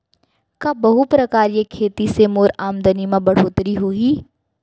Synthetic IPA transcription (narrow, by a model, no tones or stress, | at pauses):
kãːbɐɦupɾɐkaːɾijekʰeːt̪isemoːɾaːmd̪ənimãbɐɽ̤oːt̪ɾiɦoːiː